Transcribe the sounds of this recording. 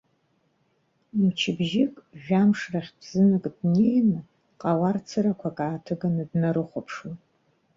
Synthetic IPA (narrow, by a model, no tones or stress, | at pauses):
imt͡ʃʰɪbʒɪkʼʒᶣamʂraχʲbʰz̥ɨnɨkʼdnejnɨ | qʼawart͡sʰɨɾakʷʰakʼaːtʰɨɡanɨdnaɾɨχʷapʰʂwan